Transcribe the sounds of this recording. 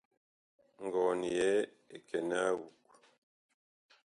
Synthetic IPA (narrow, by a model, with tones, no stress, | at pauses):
ŋ̩˨ɡɔ˨ni˨jɛ˦ | e˨kʰɛ˨na˦wu˨k